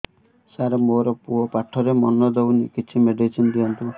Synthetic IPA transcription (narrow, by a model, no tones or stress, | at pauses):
saɾɔmoɾɔpuɔpaʈʰɔɾemɔnɔd̪ewnikit͡ʃʰimeɖisʰind̪iɦɔnt̪u